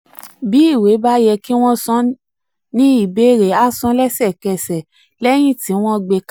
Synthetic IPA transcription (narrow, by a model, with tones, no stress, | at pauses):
bi˨˦i˦˨we˨˦ba˦jɛ˧ki˦w̃ɔ̃˦sɔ̃˦ | nĩ˦i˦˨be˦˨ɾe˨˦a˦sɔ̃˧˦lɛ˦sɛ˦˨kɛ˧˨sɛ˨ | lɛ˦j̃ĩ˦˨ti˨˦w̃ɔ̃˦ɡ͡be˧k